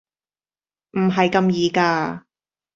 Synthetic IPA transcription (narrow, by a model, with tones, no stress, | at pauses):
m̩˨˩ɦɐ˨jkɐ˧mjiː˨˧kaː˧